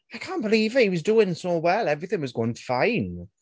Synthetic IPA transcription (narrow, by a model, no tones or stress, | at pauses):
aɪkʰãˑnb̥əliːvəhiwʌzduːɪ̃ŋsoʊwɛlˠɛvɹiθɪ̃ŋwʌzɡ̥oʊɪ̃ŋʰfãɪ̃n